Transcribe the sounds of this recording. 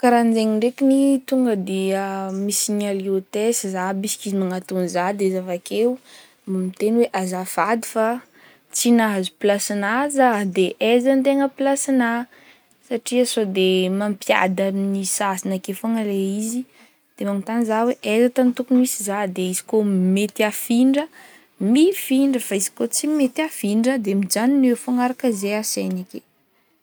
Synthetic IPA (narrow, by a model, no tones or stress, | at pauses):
kaɾand͡zeŋiɳɖ͡ʐekinit̪uŋɡəd̪eamisiɲaliot̪esizabisi̥kizimaŋat̪unzad̪ezavakeu | mamit̪enweʔazafad̪i̥fa | t͡sinazupilasinazəd̪eʔezant̪̬eŋəplasina | saʈ͡ʂiəsod̪emampja̰d̪amnisasinakefoŋəleizi | d̪̥emaŋut̪anizaweʔezat̪anit̪ukumisizad̪eizi̥komet̪iafiɳɖ͡ʐə | mifiɳɖ͡ʐəfaizi̥kot͡simet̪afiɳɖ͡ʐəd̪emid͡ʒaninwefoŋaɾakəzeasenake